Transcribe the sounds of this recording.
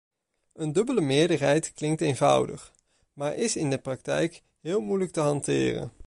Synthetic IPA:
əndɵbələmɪːɹdəɹɦɛjtklɪŋktejnvʌ̰wdə̰χ | maːɹʔɪsɪndəprɑk̚tɛ̰jk | ɦɪːlˠmujlək̚təɦɑntɪ̰ːrə̰n

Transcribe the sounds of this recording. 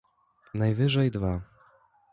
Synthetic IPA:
najvɘʐɛjd̪va

